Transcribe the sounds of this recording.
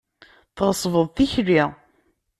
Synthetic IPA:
θʁəsˤvəðˤθiçri

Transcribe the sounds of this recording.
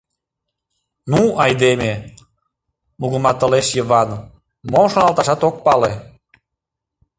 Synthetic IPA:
nuɑjd̪eme | muɣə̆mɑt̪ə̆leʃjəβɑn | momʃonɑlˠt̪ɑʃɑt̪ok̚pɑle

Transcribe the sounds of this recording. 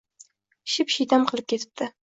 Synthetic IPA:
ʃɪpʃijt̪amqʰɨlˠɪp̚kʲʰe̞t̪ʰɪ̥p̚t̪ɪ

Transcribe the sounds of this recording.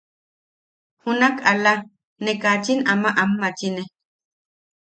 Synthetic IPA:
hunakala | nekat͡ʃinamaʔamːat͡ʃine

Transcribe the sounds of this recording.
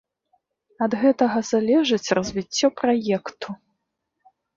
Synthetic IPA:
ɐd̪ɣɛt̪ɐɣɐzalʲɛʐɨt͡sʲrɐzʲvʲit͡sʲːɔpɾajɛkt̪ʰu

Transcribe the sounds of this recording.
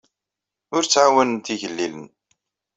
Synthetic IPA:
ʊɾt͡sːʕawənənt̪iʝəlːilən

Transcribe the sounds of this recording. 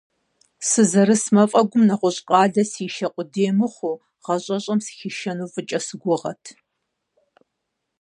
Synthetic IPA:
sɨzɐɾɨsmɐfʼɐɡʷʊmnɐχʷʊɕʼqʼɑːɮɐsiːʃɐqʷʼʊdeːmɨχʷʊ | ʁ̥ɐɕʼɐɕʼɐmsxiʃɐnuːfʼɨt͡ʃʼɐsɨɡʷʊʁɐ̰tʰ

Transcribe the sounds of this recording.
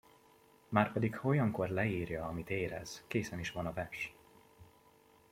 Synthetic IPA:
maːrpɛd̪ikho̞jɒŋko̞rlɛiːrjɒːmit̪eːɾɛ̰z̥keːsɛniʃʋɒnɒvɛʃ

